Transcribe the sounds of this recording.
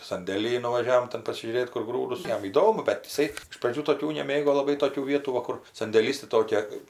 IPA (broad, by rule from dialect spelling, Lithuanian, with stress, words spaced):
sɐnʲdʲeːˈlʲiːj nʊʋɐˈʒʲæːʋoːm ˈtʲɛn pɐsʲɪʒʲuːˈrʲeːt kʊr ˈɡruːdʊs ˈjɛm iːˈdoːmʊ bʲɛt ɪˈsɐɪ ɪʃ prɐˈd͡ʒʲuː toːˈkʲuː nʲɛˈmʲeːɡoː lˠɐˈbɐɪ ˈtoːkʲuː ˈʋʲiɛtuː ˈʋɐ kʊr sɐnʲdʲeːˈlʲiːs tɐɪˈtoːkʲɛ